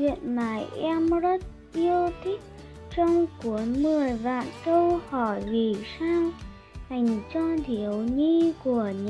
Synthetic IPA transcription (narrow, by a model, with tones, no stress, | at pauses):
ḭ˧˨ənmaː˧˩˦jʔɛ˧mzə˦˥t̚ | ʔi˧əwt̪ʰï˦˥k̚ | t͡ɕɔ˧wŋ͡mku˨˦ənmɨ˨˩əjva̰ː˧˨nkə˧whɔ˧˩jvi˨˩saː˧w | ha˨˩jŋ̟t͡ɕɔ˧t̪ʰi˨˩əwɲi˧ku˧˩əɲ